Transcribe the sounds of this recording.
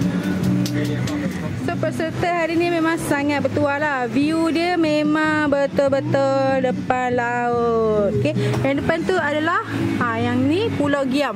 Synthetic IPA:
sopəsəɾt̪əɦaɾinimemãŋsaŋat̪̚bət̪ualaviudiəmemãŋbət̪olbət̪ədəpanlaot̪t̪̚okedaŋdəpant̪uadalahajaŋnipulawɡiam

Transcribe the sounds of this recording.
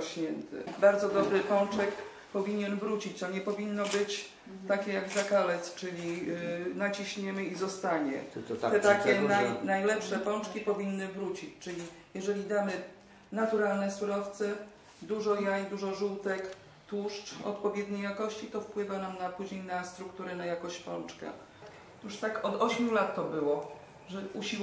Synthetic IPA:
ɕɲɛnt̪ɘ̰baɾd̪zɔd̪ɔbɾɘpɔw̃t͡ʂɛk | pɔvʲiɲɛnvɾut͡ɕit͡ɕt̪ɔɲɛpɔvʲinːɔbɘt͡ɕ | t̪akʲɛjaɡzakalɛt̪st͡ʂɘlʲinat͡ɕiɕɲɛmɘizɔst̪aɲɛ̰ɛt̪akʲɛnajnajlɛpʂɛpɔ̃t͡ʂkʲipɔvʲinːɘvɾut͡ɕit͡ɕt͡ʂɘlʲijɛʐɛlʲid̪amɘ | nat̪uɾalnɛsuɾɔft̪sɛ | d̪uʐɔjajd̪uʐɔʐuwt̪ɛk | t̪wuʂt͡ʂɔ̰t̪pɔvʲjɛd̪ɲejakɔɕt͡ɕit̪ɔfpwɘvanamnapuʑɲejnast̪ɾukt̪uɾɛnajakɔɕt͡ɕpɔ̰nt͡ʂkɛ̰ | t̪uʂt̪akɔd̪ɔɕmʲjulat̪ːɔbɘwɔ | ʐɛuɕi

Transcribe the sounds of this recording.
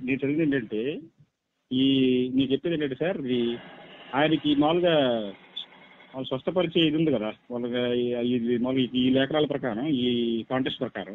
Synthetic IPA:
neːnut͡ʃelːinɐɳʈɐɳʈe̞ː | iniːkt͡ʃepːiːd̪ɐɳʈɐɳʈ̬ːesaːɾid̪i | aːjɐnɐkimaːluɡaː | ʋaːlːɐsʋɐst̪ɐpɐɾit͡ʃeːjid̪und̪ikɐd̪aːʋalːɐiimaːluɡikiːlɛːkɐɾaːlɐpɾɐkaːɾɐmiːkaːɳʈesʈpɾɐkaːɾɐm

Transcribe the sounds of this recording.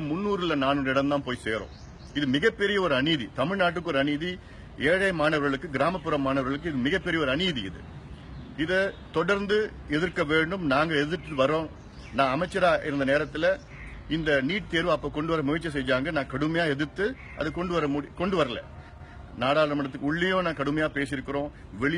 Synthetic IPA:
mʊnːuːɾɪlɐnaːnɯːɪɽɐmt̪ãːpoːjseːɾõ̰ː | ɪðɯmɪɣɐpːɛɾɪjɐɔɾɯɐniːðit̪ɐmɪɻnaːʈ̬ːɯkːɯɔɾɯɐniði | eːɻɐɪmaːnɐʋɐɾɣɐɭɯkːɯɡɪɾaːmɐpːɯɾɐmaːnɐʋɾɣɐɭɯk̬ːɯɪðɯmɪɣɐpːɛɾɪjɐɔɾɯɐniːðiɪ̰ðɯ̰ | ɪðɯt̪ɔɽɐɾnd̪ɯ | ɛðɪɾkːɐʋeːɳɖɯmnaːŋɡɐɛðɪt̪ːɯʋɐɾõː | nãːɐmɐɪt͡ʃːɐɾaːʔɪɾɯnd̪ɐneːɾɐt̪ːɪlɐ | ɪnd̪ɐniːʈ̚t̪eːɾʋɯɐpːoːkɔɳɖɯʋɐɾɐmʊjɪt͡ʃːɐs̬ɛjd͡ʒaːŋɡɐnãːkɐɽɯmɐjaːɛðɯt̪ːɯ | ʔɐ̰ðɯkɔɳɖɯʋɐɾɐmuɽikɔɳɖɯʋɐɾɐlɐ̰ | naːɽaːlɐɾɐmɐɽɐt̪̬ːɯkːʊɭːɪjõːnãːkɐɽɯmɐjaːpeːsɪɾɯkːɪɾõː | ʋɛɭɪ

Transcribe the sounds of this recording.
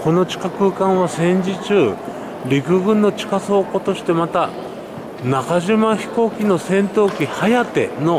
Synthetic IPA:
ko̞no̞t͡ɕi̥kakɯ̟ːkãɰ̃βasẽ̞ɲ̟d͡ʑit͡ɕɨː | ɾʲikɯ̟ɡɯ̟̃nːo̞t͡ɕi̥kaso̞ːko̞t̪o̞ɕi̥t̪e̞mat̪a | nakaʑimaçi̥ko̞ːkʲino̞sẽ̞nt̪o̞ːkʲihajat̪e̞̰no̞

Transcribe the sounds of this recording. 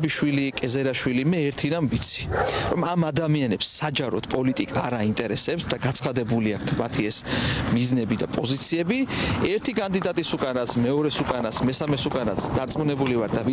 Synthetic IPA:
biʃwilikʼɛzɛɾaʃwilimɛːɾt̪ʰiɾanvit̪sʰi̥ɾɔmamad̪amianɛpsːad͡ʒaɾɔt̪pʼɔlit̪ʼikʼaːɾaint̪ʼɛɾɛsɛp̚t̪ʰd̪aɡat̪sʰχad̪ɛbuliakʰt̪ʰmat̪ʰiɛsmiznɛbid̪apʼɔzit̪sʰiɛbiɛɾt̪ʰikʼand̪id̪at̪ʼisukʼanat̪sʰmɛɔɾɛsukʼanat̪sʰmɛsamɛsukʼanat̪sʰd̪̥aɾt̪sʼmunɛbulivaɾt̪d̪av

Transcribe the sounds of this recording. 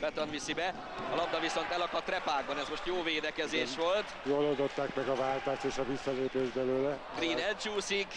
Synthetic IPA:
bɛt̪onvisibɛ | ɒlɒb̚d̪ɒviso̞nt̪ɛlɒkɒt̪ːrɛpaːɡ̚bɒnɛzmo̞ʃt̪joːveːd̪ɛkɛzeːʃʋo̞lt̪jolold̪ot̪ːaːkmɛɡɒvaːlt̪aːʃt̪eːʃɒvisːɒleːpeːʒbɛløːlɛɡriːnɛlt͡ʃuːsik

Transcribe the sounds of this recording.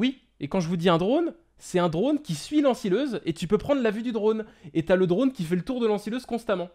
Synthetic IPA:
wi | ekɑ̃ʒəvud̪iɛ̃d̪ʁon | sɛɛ̃d̪ʁonkʲisɥilɑ̃siløzet̪ypøpχɑ̃d̪ʁlavyd̪yd̪ʁonet̪yaləd̪ʁonkʲifɛlət̪uʁd̪əlɑ̃siløzkɔ̃st̪amɑ̃

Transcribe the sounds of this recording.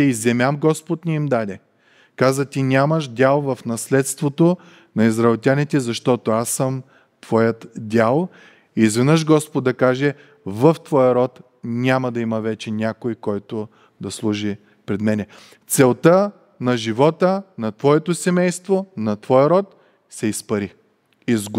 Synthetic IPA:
izɛmʲamɡɔspot̪nʲiimd̪ad̪ɛ | kazət̪ʲinʲamɐʃdʲalˠvɐfnɐslɛt̪st̪vot̪o | nɐizɾɐɛlˠt̪ʲanɛt̪ɛzɐʃt̪ɔt̪oasːəm | t̪v̥ɔjət̪dʲalˠ | izvɛnəʃɡɔspod̪ːɐkaʒɛ | vəft̪vɔjəɾɔt̪ | nʲamɐd̪ɐimɐvɛt͡ʃɛnʲakojkɔjt̪o | d̪ɐslˠuʒi | pɾɛd̪mɛnɛ | t̪sɛlˠt̪ə | nɐʒivɔt̪ənɐt̪vɔɛt̪osɛmɛjst̪vonɐt̪vɔjəɾɔt̪̚ | sɛispɐɾi | izɡ

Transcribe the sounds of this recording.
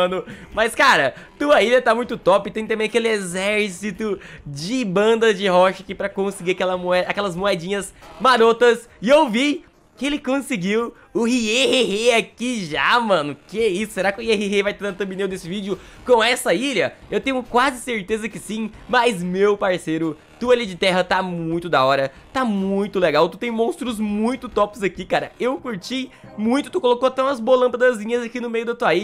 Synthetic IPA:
nʊmɐjskaɾɐt̪uɐiʎɐt̪amũj̃t̪ʊt̪ɔpɪt̪ẽj̃t̪ɐmẽj̃akelɪezɛɾsit̪ʊd͡ʒɪbɐ̃nd̪ɐd͡ʒɪɦɔʃɐkipɾɐkõsɪɡiɾakɛlɐmoɛd̪ɐakɛlɐzmoɛd͡ʒĩɲɐzmaɾot̪ɐs | ɪewvi | kɪelɪkõsɪɡiw | ʊhieheheakiʒamɐ̃nʊkeisʊ̥seɾakɪʊhieheɦevajt̪anɐt̪ɐ̃binewd̪esɪvid͡ʒɪʊkõw̃ɛsɐiʎɐewt̪ẽɲʊkwazɪseɾt̪ezɐkɪsĩmɐzmewpaɾsejɾʊ | t̪ualid͡ʒɪt̪ɛɦɐt̪amũj̃t̪ʊd̪aɔɾɐ | t̪amuũj̃t̪ʊleɡawt̪ut̪ẽj̃mõst̪ɾʊzmũj̃t̪ʊt̪ɔpɪzakikaɾɐewkuɾt͡ʃimũj̃t̪ʊt̪ukolokoat̪ɛ̃ɐzbolɐ̃pɐd̪ɐzĩɲɐzakinʊmejʊd̪ɐt̪uɐi

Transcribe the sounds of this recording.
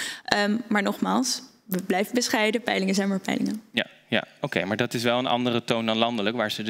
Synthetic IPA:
ʔəmaːɹnɔχma̰ːlˠs | əblɛjfəbəsχɛjdəpɛjlɪŋəzɛjnmaːɹpɛ̰jlɪ̰ŋənjaja̰owkejmaːɹdɑtɪs̬ʋɛlˠənɑ̰ndərətowndɑnlɑndələkʋaːɹz̥əd

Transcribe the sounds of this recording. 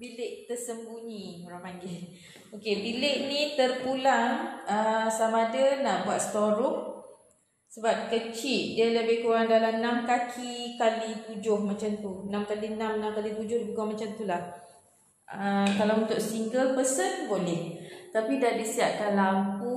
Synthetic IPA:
bilɪk̚t̪ərsəmbuɲĩoɾaŋpaŋɡɪ | okebilɪʔ̚nit̪ərpulaŋəsamadənaʔbuat̪̚sə̥t̪oɾʊŋ | səbap̚kət͡ʃiʔ̚diələbɪhkuɾaŋdalamnamkakʰikalit̪ud͡ʒʊhmat͡ʃamt̪unamkalinamnãmkalit̪ud͡ʒʊhpuɡʊhmat͡ʃamt̪ulah | əkalawunt̪ʊʔsiŋɡəlpəsənbolɛht̪apidahdisiaʔ̚kanlampu

